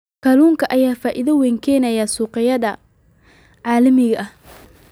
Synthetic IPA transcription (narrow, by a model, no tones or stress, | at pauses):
kʰɐluːŋkʰɐʔɐjaːfaːʔɪðɐwɛːŋkʰɛːnɐjaːsuːqɪjɐðɐ | ʕɑːlɐmɪɣɐʔɐh